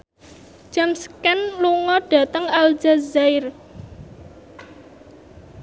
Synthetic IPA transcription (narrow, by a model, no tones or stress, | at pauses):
d͡ʒ̥amskanluŋɔɖ̥ä̤t̪əŋald͡ʒazaɪr